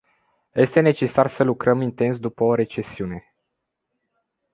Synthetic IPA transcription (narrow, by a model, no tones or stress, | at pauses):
je̞st̪e̞ne̞t͡ʃe̞sarsəlukɾəmint̪e̞nsd̪upəoɾe̞t͡ʃe̞siune̞